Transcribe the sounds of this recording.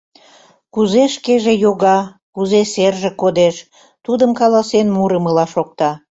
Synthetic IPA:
kuzeʃkeʒejoɣɑ | kuzeserʒekod̪eʃ | t̪ud̪əmkɑlɑsenmuɾəməlɑʃok̚t̪ɑ

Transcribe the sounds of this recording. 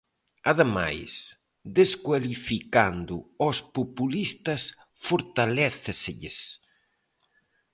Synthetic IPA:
aðema̰js | ðeskwalifikand̪ʊɔspopulist̪ɐs | foɾt̪alɛθɪseʎɪs

